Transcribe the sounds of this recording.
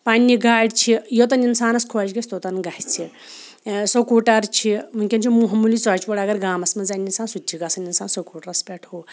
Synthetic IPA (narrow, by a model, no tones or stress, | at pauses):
panʲːiɡʱaːɽʲt͡ʃʰijot̪̬ɐninsaːnɐskʰoːt͡ʃɡɐsʰʲt̪ot̪ɐnɡɐht͡sʰi | sokuːʈɐɾt͡ʃʰimuŋʲkʲɐnt͡ʃʰimuɦɐmulit͡sɐːt͡ʃʋɐɽɐɡɐɾɡaːmɐsmɐzaːninsaːnsut̪ʲːiɡasɐninsaːnsokuːʈɐɾɐspʲeʈʰo